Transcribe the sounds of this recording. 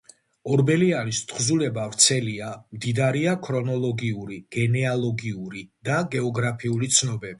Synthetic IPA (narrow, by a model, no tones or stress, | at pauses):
ɔɾbɛlianist̪ʰʼχzulɛbavɾt̪sʰɛliamd̪id̪aɾiakʰɾɔnɔlˠɔɡiuɾiɡ̥ɛnɛalˠɔɡiuɾid̪̥aɡɛɔɡɾapʰiulit̪sʰnɔbɛbi